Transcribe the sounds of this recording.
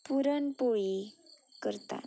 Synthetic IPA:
puɾənpoɭi | kəɾt̪a̰

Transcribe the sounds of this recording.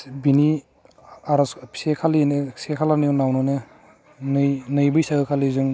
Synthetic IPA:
bini | aɾɔssekʰalinesekʰalanjnawnɔnɯ | nɯjnɯjbɯjsaɡɯkʰalizɯŋ

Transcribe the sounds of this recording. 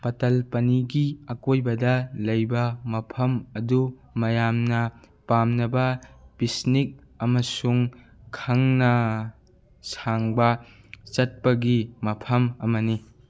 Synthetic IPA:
pɐtɐlpɐniɡiɐkojbɐdɐlɐjbɐmɐpʰɐmɐdu | mɐjamnɐ | pamnɐbɐpisnik̚ | ɐmɐsuŋ | kʰaŋnɐ | saŋbɐ | t͡ʃɐt̚pɐɡimɐpʰɐmɐmɐni

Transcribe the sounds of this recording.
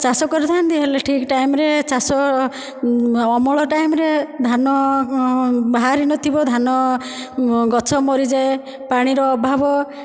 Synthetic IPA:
t͡ʃasɔkɔɾd̪ʱand̪iɦeleʈʰikʈajmɾet͡ʃasɔ | ɔmɔɭɔʈajmɾed̪ʱanɔ | baɦaɾinɔt̪ʰibɔd̪ʱanɔ | ɡɔt͡ʃʰɔmɔɾid͡ʒae | paɽ̃iɾɔːbʱabɔ

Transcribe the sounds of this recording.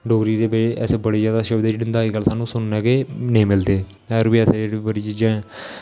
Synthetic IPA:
ɖoːɡɾiːd̪eːbeeʔɛːsebəɽeːd͡ʒjaːd̪aːʃəbd̪eːd͡ʒeːɽɪnd̪aːiːɡəlsaːnũːsʊnnɛːɡeːnĩːmɪld̪eː | əəɾbiːɛːsed͡ʒeːɽibəɽiːt͡ʃiːd͡ʒãː

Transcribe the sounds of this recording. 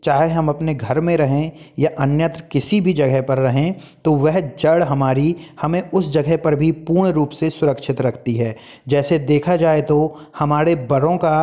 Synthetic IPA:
t͡ʃaːɦeɦɐmɐpneɡʱɐɾmẽɾɐɦẽjaʔɐnjət̪ɾəkɪsibʱid͡ʒɐɡəɦpɐɾːɐɦẽ | t̪oʋɛɦd͡ʒɐɽɦɐmaːɾihɐmẽʊsd͡ʒɐɡəɦpɐɾbʱipuːɾɳɾuːpsesʊɾəkʃɪt̪ɾɐkʰt̪iɦɛː | d͡ʒɛːsed̪eːkʰad͡ʒaːet̪o | hɐmaːɾebɐɾõka

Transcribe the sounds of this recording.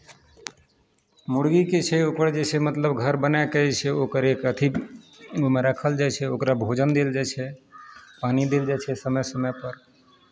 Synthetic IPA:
muɽɡiket͡ʃʰɛokəɾd͡ʒesemət̪ləbɡʱəɾbənakəɛt͡ʃʰɛokəɾekət̪ʰi | omeɾəkʰəld͡ʒajt͡ʃʰɛokɾabʱod͡ʒənd̪eld͡ʒajt͡ʃʰɛ | panid̪eld͡ʒat͡ʃʰɛsəməsəməpəɾ

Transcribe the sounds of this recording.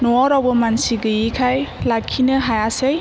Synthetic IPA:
nɔɔɾawbəmansiɡɯjikʰajlakʰːinɯɦajasej

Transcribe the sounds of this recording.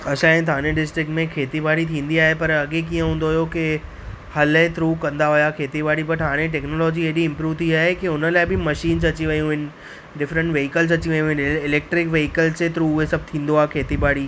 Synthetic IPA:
ɐsãːɦẽt̪ʰaːñẽɖɪsʈɾɪk̚ʈmẽkʰeːt̪ibaːɽit̪ʰĩːn̆d̪iaːɦepɐɾɐɠekiːə̃ɦũːnd̪oɦjokɪ | hɐlɦẽt̪ʰɾuːkɐ̃nd̪aɦʊjakʰeːt̪ibaːɽibɐʈ̪ʰãːñẽʈ̬eːknoːlɔːd͡ʑieːɗiɪ̃mpɾuːʋt̪ʰiaːɦekiʊnəlaːɪbɪmɐʃiːnzɐt͡ɕiʋɐjũɦɪnɪ̆ | ɖɪfɾə̃ɳʈʋeːɦɪkəlzɐt͡ɕiʋɐjũɦɪ̃nɪleːk̚ʈɾɪkʋeːɦɪkəlzt͡ɕet̪ʰɾuːɦesɐb̚t̪ʰĩːnd̪oaːɦekʰeːt̪ibaːɽi

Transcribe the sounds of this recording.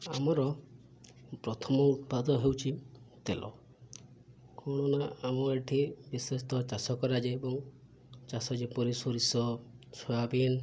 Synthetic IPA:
amɔɾɔ | pɾɔt̪ʰɔmɔut̪̚pad̪ɔɔɦewt͡ʃʰit̪elʔɔ̰ | kɔɽ̃ɔnaamɔeʈʰibisest̪ɔt͡ʃasɔkɔɾad͡ʒeebɔŋ | t͡ʃasɔd͡ʒepɔɾisɔɾisɔsabin

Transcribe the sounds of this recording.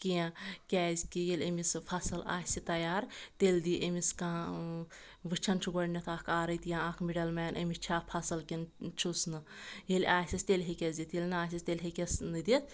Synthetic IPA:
kʲijãkʲɛːzʲkijelʲemispʰɐsɨla̰ːsit̪ɐjaːɾt̪elʲd̪iʔemiskaː | ʋɨt͡ʃʰɐnt͡ʃʰuɡɐɽnʲɐt̪ʰaːkʰaːɾɐt̪jãakʰmiɖɐlmɛːnʔɐmist͡ʃʰaːpʰɐsɐlkʲint͡ʃʰusnɨjelʲaːsʲist̪ʲelʲɦekʲɐzʲd̪ʲit̪jelʲnaːsʲist̪elʲɦekʲesnɨd̪ʲit̪

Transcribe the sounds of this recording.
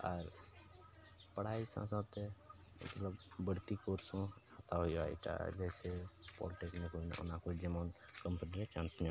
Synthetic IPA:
əɾ | pəɽ̤aisã̰sə̃d̪t̪e | mə̰t̪ləbbəɽt̪ikoɾsõət̪aɦojoa̰ḭʈa̰d͡ʒɛsepɔ̰lʈeknikʰono̰nakod͡ʒemɔn | kəmpəniɾet͡ʃãːnsn

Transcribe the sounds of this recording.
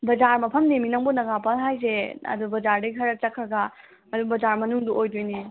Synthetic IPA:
bɐd͡ʒaɾmɐpʰɐmneminɐŋbunɐɡapɐnɦajzeɐ̰dubɐd͡ʒaɾdɐjkʰɐɾɐt͡ʃɐkʰːɾɐɡɐ | ɐdubɐzaɾmɐnuŋduojdojni

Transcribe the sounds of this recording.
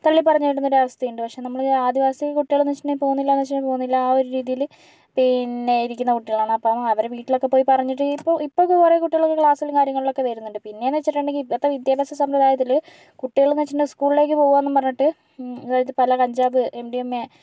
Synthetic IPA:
t̪ɐɭːipɐrɐɲːaːjiɽunːoɾɐʋɐst̪ʰɐjuɳɖɨpɐkʂe̞ːnɐmːɐɭaːd̪ʱiʋaːsɐt̪ekːkuʈːiɣɐɭunet͡ɕːiʈnepːo̞ːɣunːilːaːnʋet͡ɕːiɖepo̞ːɣunːilːɐaːoɾuɾiːðijil | pinːeiɾikʲːunːɐkuʈːiɣɐɭaːɳɨɐpːoːmɐʋɐɾeʋiːʈːilokːe̞poːjipɐrɐɲːiʈːɨipːoipːokːɨurɐjkuʈːiɣɐɭokːekɭaːsɐlŋkaːɾjɐŋːɐɭiɭo̞kːe̞t̪ɐjɾunːuɳɖɨpinːe̞nʋet͡ɕːiʈːuɳɖeŋɡilɐt̪ːɐʋid̪jaːbɐsɐsɐmɾɨd̪aːjɐt̪̬ːil | kuʈːiɣɐɭunʋet͡ɕːiɳɖɨskuːɭile̞ːk̬ʲːɨpo̞ːɣuʋaːnːumpɐrɐɲːiʈːɨ | aːjɾit̪̬ːɨpɐlɐkɐɲd͡ʑaːbɨʔemɖiemːe

